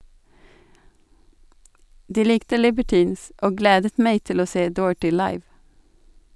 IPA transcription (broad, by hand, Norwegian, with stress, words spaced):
ˈdiː ˈlɪktə lɪbəˈʈiːns ˈoː ˈɡleːdət ˈmæɪ ˈtɪl ˈoː ˈseː ˈdoːɹ̩ʈɪ ˈlɑɪʋ